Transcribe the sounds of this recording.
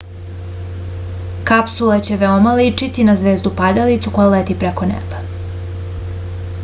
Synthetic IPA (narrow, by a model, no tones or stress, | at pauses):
kapsulat͡ɕe̞ʋeomalit͡ʂit̪inazʋeːzd̪upad̪alit̪suko̞jalet̪ipɾeko̞nḛbḁ